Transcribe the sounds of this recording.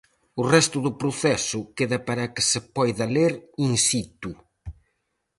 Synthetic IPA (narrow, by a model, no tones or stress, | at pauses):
ʊrɛst̪ʊðʊpɾʊθɛsʊkeðɐpaɾɐkɪ̥sepɔjðɐleɾinsit̪u